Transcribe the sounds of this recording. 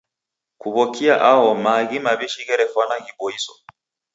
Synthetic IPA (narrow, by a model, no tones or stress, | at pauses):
kuβɔkiaʔawɔmaɣimaβiʃiɣɛɾɛfwanaɣibɔisɔ̥